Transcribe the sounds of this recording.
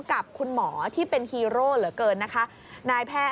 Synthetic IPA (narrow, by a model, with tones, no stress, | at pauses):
ka˨˩p̚kʰu˧nmɔː˩˦t̪ʰiː˥˩pe˧nhiː˧ɾoː˥˩lɯ˩˦əkɤː˧nːa˦˥kʰa˦˥ | naː˧jpʰɛː˥˩